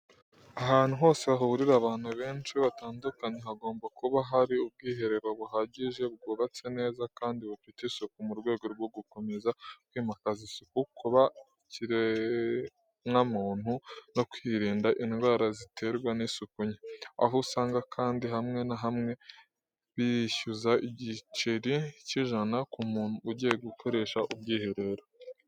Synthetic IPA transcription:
aɦaːn̥uɦo̞ːse̞aɦuβuɾiɾaβaːnhuβe̞ːnt͡ʃiβataːndukaɲeɦaɡo̞ːmbakuβaɦaɾiub̚ɡiːɦe̞ɾe̞ɾo̞βuɦaɟiʒe̞b̚ɡuːβat͡se̞ne̞ːzakaːndiβufitisukumuɾɡwe̞ːɡo̞ɾɡwoɡuko̞me̞zakwiːmakazisikukʰuβa | ciɾe | ŋamuːn̥huno̞kwiːɾiːndaʔinɡwaːɾazitʰe̞ɾɡwanisokuɲea̰ɦusaːŋɡakʰaːndiɦamŋe̞naɦamŋe̞ | βiçuzaʔiɟit͡ʃiɾiciʒanakumuːnhuːɟijeɡukʰo̞ɾe̞ːʃaʔubɟiːheɾe̞ɾo

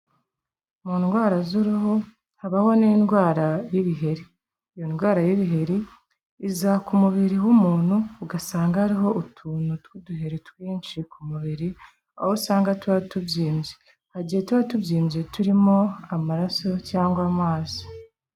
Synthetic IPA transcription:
muːnɡwaːɾazuɾuho | haβaho̞niːnɡwaːɾajiβiɦe̞ɾi | jonɡwaːɾajiβiɦe̞ɾi | izakumuβiɾiwumuːn̥huuɡasaːŋɡahaɾiɦo̞utʰuːn̥utwuduɦe̞ɾitwiːnʃikʰumuβiɾi | a̰hosaːŋɡatwatubɟiːmje | haɟihetwaːtubɟiːmzetuɾimo̞amaɾaso̞caːŋɡwaːmaːzi̥

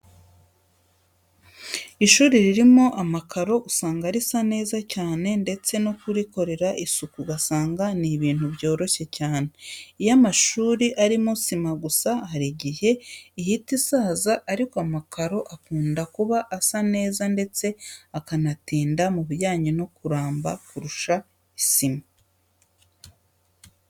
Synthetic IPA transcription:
iʃuːɾiɾiɾimo̞ʔamakʰaɾo̞usaːŋɡaɾisane̞ːzacaːne̞nde̞t͡se̞no̞kuɾiko̞ɾe̞ɾaʔisukuɡasaːŋɡaniβiːnhuβjo̞ːɾo̞çe̞caːne̞ijamaʃuːɾiʔaɾimosimaɡusahaɾiɟihe̞ihitisaːzaʔːɾikoamakaɾo̞ʔakuːndakuβaʔasane̞ːzande̞t͡se̞akanatiːndamuβuɾjaːɲino̞kuɾaːmbakuɾuʃa | isima

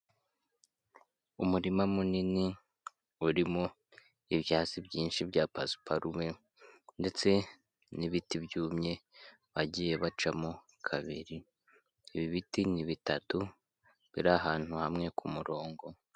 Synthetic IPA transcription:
umuɾimamunini | uɾimo | iβjaːzibɟiːnʃibɟaːpazu̥pʰaɾumwe̞ | nde̞t͡se̞ | niβitibjuːmɲe̞ | βaɟije̞βat͡ʃamo | kʰaβḭɾi | iβiβitiniβitatu | βiɾaɦaːn̥huhamŋe̞kʰumuɾo̞ːŋɡo̞

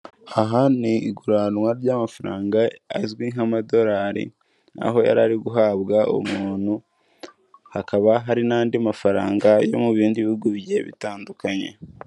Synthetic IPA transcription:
aɦaniːɡuɾanwaɾɟamafaɾaːŋɡa̰ːzwiŋamado̞ɾaːɾḭ | na̰ɦo̞ja̰ɾaɾiɡuɦaːβɡaʔṵmuːn̥hu | hakaβaɦaɾinaːndiamafaɾaːŋɡajo̞̰muβiːndiβiɡuβje̞βḭtaːndukaɲe̞̰

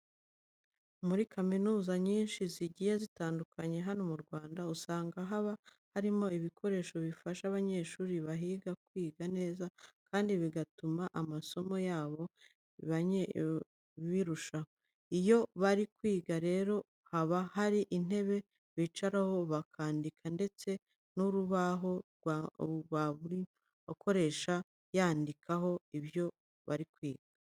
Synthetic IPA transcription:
muɾikaminuːzaɲiːnʃiziɟijezitaːndukʰaɲe̞ɦano̞muɾɡwaːndausaːŋɡaɦaβa | haɾimo̞iβikʰo̞ɾe̞ːʃo̞βifaʃaβaɲe̞ːʃuːɾiβaɦiːɡakwiːɡane̞ːzakʰaːndiβiɡatumaʔamaso̞mo̞jaːβo̞ | iβaɲ | βiɾuʃaho | ijo̞βaɾikwiːɡaɾe̞ːɾo̞ | haβahaɾiʔin̥e̞βe̞ | βit͡ʃaɾaho̞βakʰaːndikʰande̞t͡se̞ | nuɾuβaɦo̞ɡwɡwaβuɾi | okʰo̞ɾe̞ːʃa | jaːndikʰaɦo̞iβjo̞ | βa̰ɾikwiːɡ̥a

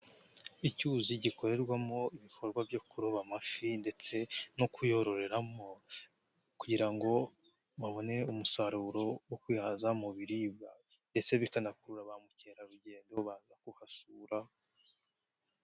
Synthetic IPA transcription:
icuziɟiko̞ɾe̞ɾɡwamo̞iβikʰo̞ɾɡwabjo̞kuɾoβamafinde̞t͡se̞nokʰujo̞ɾo̞ɾe̞ɾamo̞ | kuɟiɾaŋɡo̞ | βaβo̞ne̞umusaɾuɾo̞wokwihazamuβiɾibɡa | nde̞t͡se̞βikanakuɾuɾaβamuce̞ːɾaɾuɟe̞ːndo̞βaːzakuhasuːɾa

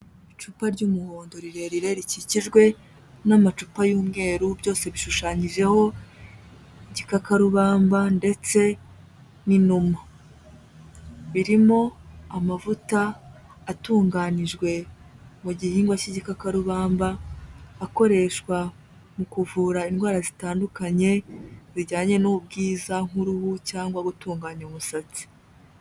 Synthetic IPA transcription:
it͡ʃupaɾɟuːmuhoːndo̞ɾiɾe̞ɾiɾe̞ɾiciciʒɡwe̞ | namat͡ʃupajuːmŋe̞ːɾubjo̞ːse̞βiʃuʃaːɲiʒe̞ho̞ | iɟikakaɾuβaːmbande̞t͡se̞ | ninuma | βiɾimo̞amavutaː | tuːŋɡaniʒɡwe̞ | muɟihiːŋɡwaciɟikakaɾuβaːmbaː | ko̞ɾe̞ʃkwa | mukuvuːɾainɡwaːɾazitaːndukaɲe̞ziɟaːɲe̞nub̚ɡiːzaŋ̥uɾuβucaːŋɡwaɡutuːŋɡaɲaumusat͡si̥

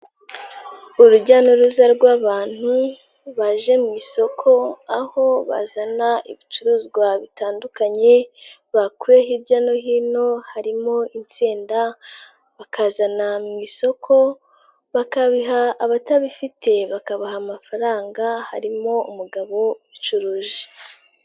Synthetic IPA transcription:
uɾuɟano̞ɾuzaɾɡwaːβaːn̥hu | βaʒe̞mŋiːso̞kʰo̞aho̞βa̰zanaḭβit͡ʃuɾuːzɡwaβitaːndukaɲe̞βakuɾeɦiβɟano̞hiːno̞haɾimo̞int͡seːnda | βakazanamŋiːso̞kʰo̞ | βakaβiɦaːβataβifitʰe̞βakaβahamafaɾaːŋɡaha̰ɾimo̞umuɡaβo̞βit͡ʃuɾuːʒe̥

